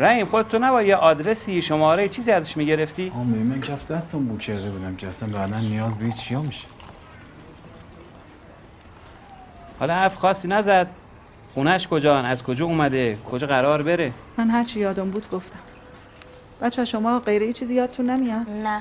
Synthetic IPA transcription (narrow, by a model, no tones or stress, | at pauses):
ɾæiːmxod̪et̪ʰːonæbɒːjjɛʔɒːd̪ɾesiːʃomɒːɾejit͡ʃʰiːziːæzæʃmiːɟe̞ɾeft̪iːɒːmeimæncʰæfd̪æst̪ombucʲʰeɾd̪ebuːd̪æmcʲʰeæsænbæːd̪ænːijɒːzbehit̪t͡ʃʰijɒːmiʃe̥ | hɒ̰ːlɒhæɾfxɒːsːiːnæzæd̪̥̚ | χuːnæʃkʰod͡ʒɒːnæzkʰod͡ʒɒːuːmæd̪ekʰod͡ʒɒːɣæɾɒːɾbeɾe | mænɦæɾt͡ʃʰijɒːd̪ombuːd̪ɡoft̪æm | b̥æt͡ʃʰːæʃomɒːɢejɾejit͡ʃʰiːzijɒːt̪̚t̪ʰunːemijɒn